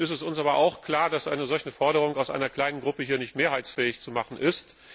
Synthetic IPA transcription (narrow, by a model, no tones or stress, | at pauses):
ɪstɛsʔʊnsʔaːbɐʔaʊxkl̥aːɐdasʔa̰ɪnəzɔlçnəfɔɐɾəʁ̞ʊŋaʊsʔa̰ɪnɐkl̥aɪnənɡʁʊpəhiːɐnɪçtmeːɐɦaɪt͡sfɛːɪçt͡sumaχn̩ʔɪst